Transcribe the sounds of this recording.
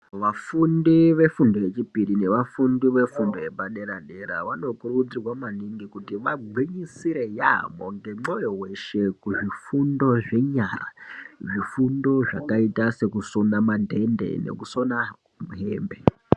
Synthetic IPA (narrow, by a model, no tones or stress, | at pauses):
ʋafundiʋe̞fundo̞jet͡ʃipiɾine̞ʋafundiʋe̞fundo̞jebaɗe̞ɾaɗe̞ɾa̰ʋano̞kurud͡zirwamaniŋɡikutiʋaɡʱwiɲisiɾe̞ja̰moŋɡe̞ŋ͡ǁojo̞we̞ʃe̞kuʐifundo̞ʐe̞ɲara̰ʐifundo̞ʐakaitase̞kusonamadʱe̞nde̞̰nḛkuso̞na | muɦḛːmbe̞